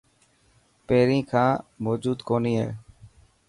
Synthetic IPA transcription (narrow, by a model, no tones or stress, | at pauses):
peːɾĩːkʰãːmoːd͡ʒuːd̪koːniːɦɛ̰ː